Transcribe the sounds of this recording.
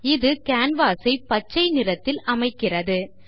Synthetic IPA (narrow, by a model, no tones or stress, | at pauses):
ɪðɯkaːnʋaːsɐɪpɐt͡ʃːɐɪnɪrɐt̪ːɪlɐmɐɪkːɪrɐðɯ